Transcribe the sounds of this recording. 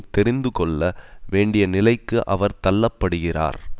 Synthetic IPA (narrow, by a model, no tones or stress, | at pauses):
t̪ɛɾɪnd̪ɯkɔɭːɐʋeːɳɖɪjɐnɪlɐɪkːɯʔɐʋɐɾt̪ɐlːɐpːɐɽɯɣɪra̰ːɾ